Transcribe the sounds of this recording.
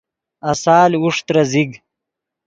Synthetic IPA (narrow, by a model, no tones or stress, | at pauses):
ɐsaːluʂt̪ɾaziɡ